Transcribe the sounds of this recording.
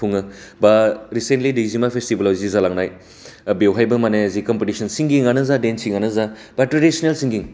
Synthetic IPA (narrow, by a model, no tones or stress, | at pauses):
uŋɐbaɾisentlidizimapʰestibɐlawzizalaŋnaj | bewɦajbɐmaneɐzikɔmpitisʰɐnsiŋɡiŋanɐzadensiŋanɐza | batɾadisonelsiŋɡiŋ